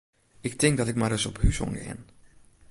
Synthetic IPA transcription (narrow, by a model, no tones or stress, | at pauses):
ɪktɪŋk̚dɔtɪk̚madəsɔphysɔ̰ŋɡə̰ɪ̰n